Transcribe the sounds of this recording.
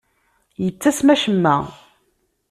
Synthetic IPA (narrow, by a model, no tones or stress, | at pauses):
jət͡sːæsmæʃəmːæ̰